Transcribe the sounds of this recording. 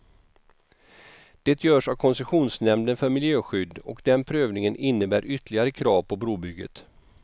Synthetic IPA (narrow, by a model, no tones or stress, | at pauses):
d̪̥ɛːt̪ʰjœːʂavkʰɔnsɛɧuːnsnɛmd̪ənfœɾmɪljøːɧʏd̪ːɔkd̪ɛnpʰɾøːvnɪŋənɪnːəbæːɾʔʏt̪ːlɪɡaɾəkʰɾɑːvpʰɔbɾuːbʏɡːə̰t̪